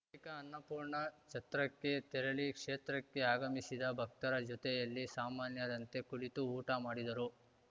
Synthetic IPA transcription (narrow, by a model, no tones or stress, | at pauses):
likɐːnːɐpuːɾɳɐt͡ʃɐt̪ɾɐkːe̞t̪ɛɾɐlikʂeːt̪ɾɐkːe̞aːɡɐmisid̪ɐbʱɐk̚t̪ɐɾɐd͡ʒɔt̪ɛjɐlːisaːmaːnjɐd̪ɐnt̪e̞kuɭit̪uuːʈɐmaːɽid̪ɐɾu